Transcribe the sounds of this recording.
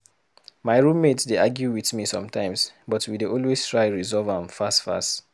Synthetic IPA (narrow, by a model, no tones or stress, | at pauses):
maɪɹũmːetsdeaɡjuwiθmisɔ̃mtʰãɪ̃msbɔtwideʔɔlwestʰɹaɪɹizɔvãmfastfa̰st